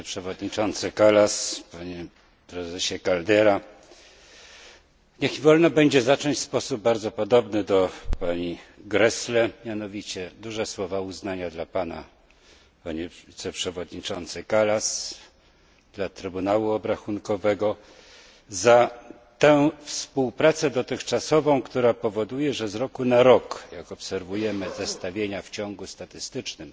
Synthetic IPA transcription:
pʂɛvɔd̪ɲit͡ʂɔnt̪sɘkalaspaɲɛ | pɾɛzɛɕɛkald̪ɛɾa | ɲɛxivɔlnɔbɛɲd͡ʑɛzat͡ʂɔɲt͡ɕʲspɔsub̚baɾd̪zɔpɔd̪ɔbnɘd̪ɔpaɲiɡɾɛslɛmʲjan̪ɔvʲit͡ɕɛd̪uʐɛswɔvauznaɲad̪lapana̰ | paɲivit̪sɛpʂɛvɔd̪ɲit͡ʂɔnt̪sɘkalas | d̪̥lat̪ɾɘbunawuɔbɾaxunkɔvɛɡɔ | za | t̪ɛ̃fspuwpɾat̪sɛd̪ɔt̪ɘxt͡ʂasɔvɔ̃w̃kt̪uɾapɔvɔd̪ujɛʐɛzɾɔkunaɾɔkjakɔpsɛɾvujɛmɘzɛst̪avʲjeɲaft͡ɕɔŋɡust̪at̪ɘst̪ɘt͡ʂnɘm

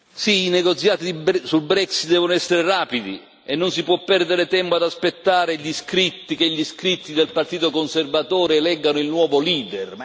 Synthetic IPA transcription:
siineɡot̪sjaːt̪id̪ibsulbɾɛksit̪̚d̪ɛːvonoɛsːeɾeraːpid̪ḭ | enːonsipwɔpːɛrd̪eɾet̪ɛmpoad̪aspet̪ːaːɾeʎiskɾit̪ːikeʎːiskɾit̪ːid̪elpart̪iːt̪okonservat̪oːɾelɛɡːanoilnwɔːvoliːd̪er

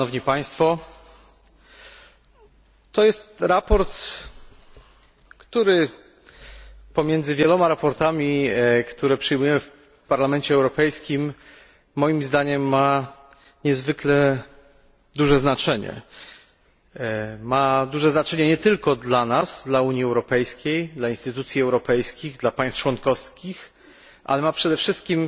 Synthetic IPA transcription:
nɔvɲipaj̃st̪fɔ | t̪ɔjɛst̪ɾapɔɾt̪ | kt̪uɾɘ | pɔmʲjɛnd̪zɘvʲjɛlɔmaɾapɔɾt̪amʲikt̪uɾɛpʂɘjmujɛmɘf | paɾlamɛɲt͡ɕɛːwɾɔpɛjskʲimː | ɔjimzd̪aɲɛmːa | ɲɛzvɘklɛ | d̪uʐɛznat͡ʂɛɲɛ̰ | mad̪uʐɛznat͡ʂɛɲɛɲɛt̪ɘlkɔd̪lanasd̪lauɲiɛwɾɔpɛjskʲejd̪lainst̪ɘt̪ut̪sʲjiɛwɾɔpɛjskʲiɣd̪lapaj̃st̪̚t͡ʂwɔnkɔfskʲix | ʔa̰lɛmapʂɛd̪ɛfʂɘst̪̚kʲim

